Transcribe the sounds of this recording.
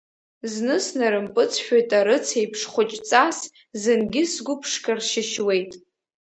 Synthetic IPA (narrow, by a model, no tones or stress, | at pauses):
znɨsnaɾɨmpʼɨt͡sʰʃᶣatʼaɾɨt͡sʰejpʰʂχʷʊt͡ʃʼt͡sʼas | zɨnɡʲɪsɡʷʊpʰʂkʰʼarʃɪʃwe̞jtʼ